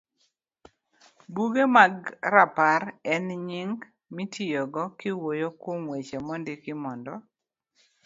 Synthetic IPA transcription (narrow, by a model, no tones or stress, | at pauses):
buɡemaɡɾapaɾɛnɲiŋɡ | mitʰijɔɡɔkɪwojokwomwet͡ʃemɔndɪkɪmɔndɔ